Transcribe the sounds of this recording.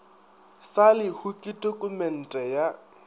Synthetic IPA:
salɪhukʼɪtʼokʼumɛn̩tʼɛja

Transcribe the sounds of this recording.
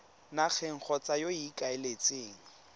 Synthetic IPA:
nak͡xʰeŋ̩χʰɔt͡sʼajoikʼaɪlet͡sʼeːŋ̩

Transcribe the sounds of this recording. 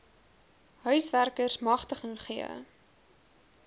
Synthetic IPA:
ɦœɥsværkərsmɐχtəχənχiə̰

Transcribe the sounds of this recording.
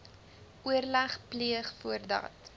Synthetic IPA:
ʔuərlæχpliəχfuərdɐ̰t

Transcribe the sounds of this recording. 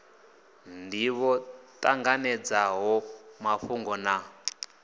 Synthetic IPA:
ndiβɔtʼaŋɡanɛd͡zaɦɔmaɸuŋɡɔna

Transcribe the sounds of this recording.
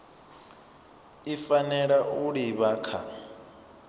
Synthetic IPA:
ifanɛɺaʔuɺiβaːkʰa̰

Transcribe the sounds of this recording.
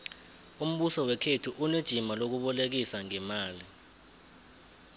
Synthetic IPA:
um̩ɓusɔwɛkʰetʰuʔuned̥ʒ̥ʱimalok̬uɓɔlek̬isaŋɛmaːli

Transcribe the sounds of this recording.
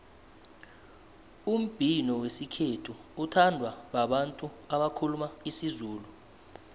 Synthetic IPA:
um̩b̥ʱinɔwesikʰetʰuːtʰandʱwaɓaɓantʼuaɓakʰulumaisizuːlu

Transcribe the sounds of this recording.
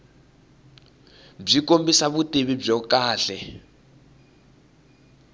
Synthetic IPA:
b͡ʐikombisaβutʼeβib͡ʐɔkaːɬɛ

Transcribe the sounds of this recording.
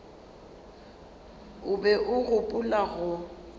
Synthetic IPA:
ʊbɛʔʊɣʊpʼʊlaɣʊ

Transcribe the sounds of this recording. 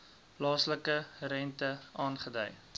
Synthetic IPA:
plɑːsləkəɾɛntəʔɑːnχədə̰j

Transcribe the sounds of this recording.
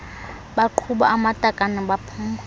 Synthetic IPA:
ɓaǃʰuɓaʔamatʼakʼanɪɓapʰuːma

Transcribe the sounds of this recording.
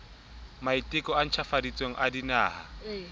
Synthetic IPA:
maitʼɪkʼɔan̩t͡ʃʰafadit͡sʼweŋ̩ʔadinaːha̰

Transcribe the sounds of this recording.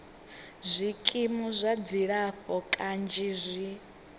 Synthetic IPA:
zʷikʼimuzʷad͡ziɺaɸɔkʼand͡ʒizʷi

